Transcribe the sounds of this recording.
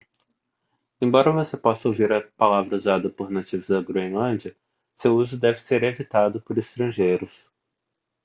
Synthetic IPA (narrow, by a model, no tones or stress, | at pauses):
ẽbɔɾɐvosepɔsɐowviɾɐpalavɾɐuzad̪ɐpoɾnat͡ʃivʊzd̪ɐɡɾuẽlɐ̃d͡ʒiɐ | sewuzʊd̪ɛvɪseɾevit̪ad̪ʊpoɾest̪ɾɐ̃ʒejɾʊs